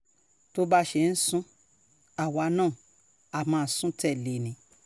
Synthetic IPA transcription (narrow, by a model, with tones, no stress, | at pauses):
to˧˦ba˧ʃe˧˦˨n̩˦sũ˦ | a˨wa˧˦nãː˦˨ | a˨mãː˨˧˨sũ˦tʰɛ˦˨le˨nĩ˨˦